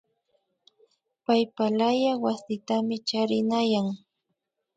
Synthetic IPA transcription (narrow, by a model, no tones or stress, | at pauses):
pajpalajawasɪt̪amɪt͡ʃaɾɪnajaŋ